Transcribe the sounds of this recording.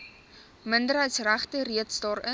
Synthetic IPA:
məndərɦəjtsræχtəɾiətsdɑːɾə

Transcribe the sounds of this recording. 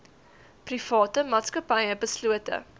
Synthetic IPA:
prifɑːtəmɑːtskəpɐjəbəsluətə̰

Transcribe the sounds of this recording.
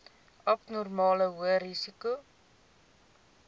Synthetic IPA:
ɐpnɔrmɑːləɦuəɾisiku

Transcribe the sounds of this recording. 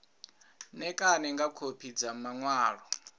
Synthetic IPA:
nɛkʼanɛŋɡakʰopʰid͡zamaŋwaːɺɔ

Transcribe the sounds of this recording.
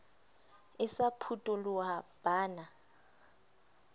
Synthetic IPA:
ɪsapʰutʼɔluab̥aːna

